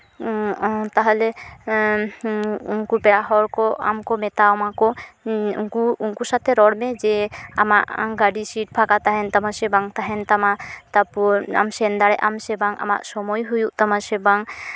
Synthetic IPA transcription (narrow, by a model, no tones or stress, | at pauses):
t̪aɦɛlɛ | ṵnkupɛɽaɦɔɾkɔa̰mkɔmɛt̪aɔmakɔunkuunkusat̪ʰɛɾɔɽmɛd͡ʒɛa̰maʔɡaɖisiʈ̚pʰakat̪aɦɛnt̪amasɛbaŋt̪aɦɛnt̪amat̪apɔa̰msɛnd̪aɽɛʔamsɛbaŋa̰ma̰ʔsɔmɔjɦujuʔt̪amasɛbaŋ